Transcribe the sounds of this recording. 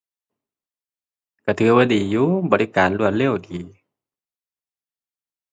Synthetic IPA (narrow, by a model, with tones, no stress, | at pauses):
ka˧˩t̪ʰɯː˧˦waː˧˩diː˨˩juː˧˥bɔː˨˩li˧˩kaː˨nlu˧˩ənle˧˥˨wdiː˨˩